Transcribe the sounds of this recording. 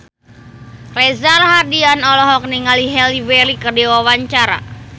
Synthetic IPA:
krezalɦadianɔlɔɦɔk̚niŋaliɦɛliwɛlikərdiwawaɲt͡ʃaɾa̰

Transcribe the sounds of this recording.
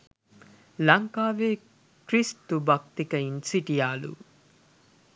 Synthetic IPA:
lɐŋkaːʋeː | kɾist̪ubɐk̚t̪ikɐinsiʈijaːlṵ

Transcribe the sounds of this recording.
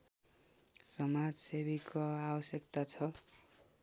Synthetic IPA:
sʌmad͡zsebikoabʌsjʌk̚t̪at͡sʰʌ

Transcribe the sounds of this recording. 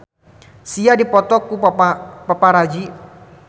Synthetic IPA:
siadipɔt̪ɔkupaapapaɾad͡ʒi

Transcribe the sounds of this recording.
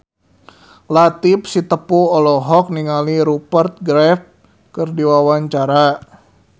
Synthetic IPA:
lat̪ip̚sit̪əpuɔlɔɦɔk̚niŋaliɾupərt̪̚ɡɾɛf̚ | kɨrdiwawaɲt͡ʃaɾa

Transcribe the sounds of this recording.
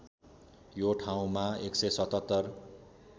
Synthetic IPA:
joʈʰaw̃maeksʌjsʌt̪ʌt̪ːʌr

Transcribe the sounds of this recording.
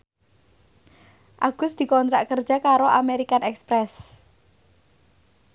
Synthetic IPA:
ʔaɡ̥ʊ̤sd̪̥i̤kɔnt̪ɾaʔkər̥d͡ʒ̥a̤kaɾoʔameɾikanɛkspɾɛs

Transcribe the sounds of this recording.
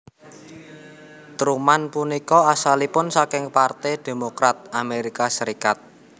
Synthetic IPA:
t̪ɾumanpunikɔasalipʊnsakɪŋpart̪ɛd̪̥e̤mokɾat̪̚ameɾikasəɾikat̪̚

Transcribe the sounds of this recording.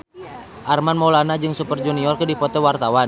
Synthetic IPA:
ʔarmanmɔlanad͡ʒɨŋsupərd͡ʒuniɔrkədipɔt̪ɛwart̪awan

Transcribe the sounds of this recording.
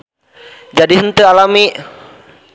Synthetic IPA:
d͡ʒadiɦənt̪əalami

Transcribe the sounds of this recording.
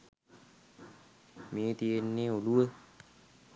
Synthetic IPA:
meːt̪ijenːeːoluə

